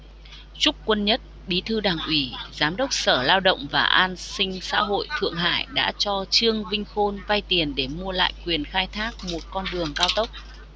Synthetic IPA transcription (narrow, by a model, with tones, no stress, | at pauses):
t͡ɕʊ˦˥k͡p̚kwə˧nɲə˦˥t̚ɓi˨˦t̪ʰɨ˧ɗaː˨˩ŋʔwi˨˩zaː˨˦mɗə˦˥wk͡p̚səː˧˩laː˧wɗə̰˧˨wŋ͡mvaː˨˩ʔaː˧nsï˧ŋ̟sa̰ː˧˥ɦo̰˧˨jt̪ʰɨ̰˧˨əŋɦa̰ː˧˨jɗa̰ː˧˥t͡ɕɔ˧t͡ɕɨ˧əŋvï˧ŋ̟xo˧nva˧jt̪i˨˩ənɗe˧˩mu˧əla̰ː˧˨jkwi˨˩ənxaː˧jt̪ʰaː˦˥k̚mo˨˩t̚kɔ˧nɗɨ˨˩əŋkaː˧wt̪ə˦˥wk͡p̚